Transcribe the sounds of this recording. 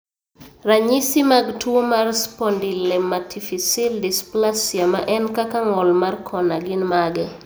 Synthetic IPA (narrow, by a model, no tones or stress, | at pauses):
raɲisimaɡtwomarspɔndilɛmatʰifisɪldɪsplasjamaʔɛnkakaŋɔlmarkʰɔnaɡɪnmaɡɛ